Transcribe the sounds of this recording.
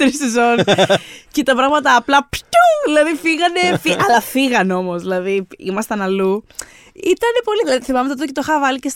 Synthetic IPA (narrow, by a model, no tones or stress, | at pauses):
t̪ɾisezo̞nscet̪ɐpɾɐɣmɐt̪ɐːplɐpt̪uðilɐðifiɣɐnefiʔɐlɐfiɣɐno̞mo̞zðilɐðiḭmɐst̪ɐnɐlu | it̪ɐne̞po̞liðilɐðiθimɐmet̪ot̪oc̬et̪oxɐvɐlices